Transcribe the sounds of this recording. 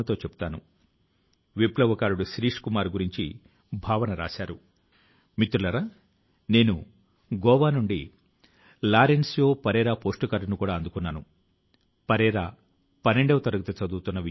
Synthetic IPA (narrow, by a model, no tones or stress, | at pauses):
ɐt̪o̞ːt͡ʃebu̥t̪aːnṵ | ʋiplɐʋɐkaːɾuɽuʃɾiːʂkumaːɾɡuɾiɲt͡ʃḭ | bʱaːʋɐnɐɾa̰ːʃaːɾu | mit̪ɾulɐɾa | ne̞ːnu | ɡɔːʋaːnuɳɖi | laːɾensjo̞ːpɐɾɛːɾaːpo̞ːsʈukɐɾnukuːɽaːɐnd̪ukunːaːnu | pɐɾɛːɾaː | pɐnːeɳɖɐʋɐt̪ɐɾɐɡɐt̪ɐt͡ʃɐd̪uːt̪unːɐʋi